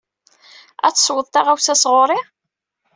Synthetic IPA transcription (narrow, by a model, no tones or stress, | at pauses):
æ̰t͡sːswəðˤt̪ɑʁæwsæsʁoɾˤɪ